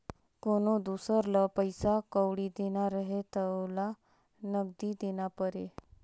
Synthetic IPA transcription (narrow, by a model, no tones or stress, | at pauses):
konod̪usəɾləpəjsakəwɽid̪enaɾəɦet̪əwla | nəɡ̚d̪id̪eñapəɾe